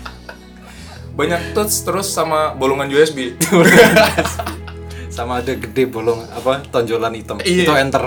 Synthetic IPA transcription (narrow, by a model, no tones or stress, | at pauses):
baɲak̚t̪ʊt̪st̪əɾʊsːamabolɔŋand͡ʒoɛsbiols | samaːdaɡədɛbolɔŋapat̪ɔɲd͡ʒolanit̪əmit̪uɛnt̪ər